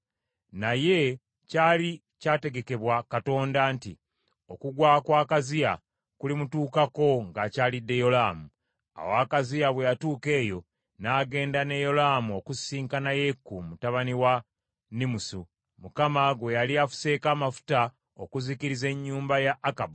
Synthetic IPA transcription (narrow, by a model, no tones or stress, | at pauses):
naje̞ | caːli | caːte̞ɡe̞ke̞βwakato̞ːndantḭ | o̞kuɡwaːkwaːkazija | kulimutuːkako̞ŋɡacaːlidːe̞jo̞laːmu | a̰waːkazijaβwejatuːke̞ːjo̞ | naːɡe̞ːndane̞jo̞laːmuokusiːŋkanaje̞kːumutaβaniwa | nimusu | mukamaɡwejaliafu̥se̞ːkaːmafu̥ta | o̞kuzikiɾize̞ɲːuːmbajaʔːkabu